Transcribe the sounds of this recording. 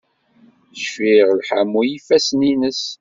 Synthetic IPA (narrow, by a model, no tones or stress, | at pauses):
ʃfiʁlħamːujifæsninəs